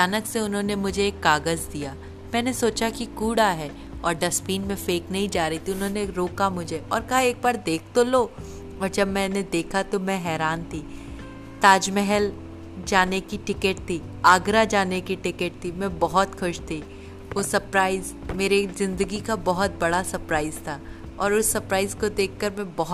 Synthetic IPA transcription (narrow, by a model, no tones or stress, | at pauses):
d͡ʒaːnəkseʊnɦõnemʊd͡ʒʱeeːkːaːɡəzd̪ijaː | mɛ̃ːnesoːt͡ʃakikuːɽaɦɛː | ɔːɾɖɐspiːnmẽfeːknɐɦĩd͡ʒaːɾɐɦit̪ʰiʊnɦõːneɾoːkamʊd͡ʒʱeɔːɾkɐɦaeːk̚baːɾd̪eːk̚ʰt̪oloː | ɔːɾd͡ʒɐbmɛ̃ːned̪eːkʰat̪omɛ̃ɦɛːɾaːnt̪ʰiː | t̪aːd͡ʒmɛɦɛl | d͡ʒaːnekiʈɪkeʈ̚t̪ʰiː | aːɡɾad͡ʒaːnekiʈɪkeʈ̚t̪ʰimɛ̃bɐɦʊt̪xʊʃt̪ʰi | ʋosɐpɾaːɪz | meːɾezɪ̃nd̪əɡikabɐɦʊt̪̚bɐɽasɐɾpɾaːɪzt̪ʰaː | ɔːɾʊsːɐɾpɾaːɪzkod̪eːkʰːɐɾmɛ̃bɐɦ